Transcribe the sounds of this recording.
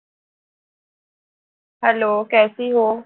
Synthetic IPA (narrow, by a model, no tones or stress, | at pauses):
ɦəloːkɛːsiɦoː